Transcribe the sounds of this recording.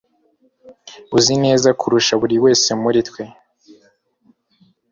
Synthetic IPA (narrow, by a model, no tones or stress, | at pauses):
uzine̞ːzakuɾuʃaβuɾiwe̞ːse̞muɾitwe̞